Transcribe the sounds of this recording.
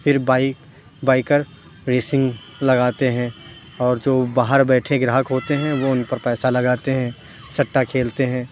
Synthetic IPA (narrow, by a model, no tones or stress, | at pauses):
fʰɪɾbaːɪk | baːikəɾ | ɾeːsɪ̃ŋɡ | lɐɡaːt̪eɦɛ̃ | ɔːɾd͡ʒoːbaːɦəɾbɛːʈʰeɡɾaːɦəkɦoːt̪eɦɛ̃ʋoʊnpɐɾpɛːsalɐɡaːt̪eɦɛ̃ | sɐʈːakʰeːlt̪eɦɛ̃ː